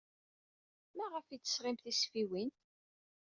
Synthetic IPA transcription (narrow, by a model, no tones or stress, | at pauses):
mæʁəfit͡s̪ːə̥sʁɪmθisfiwin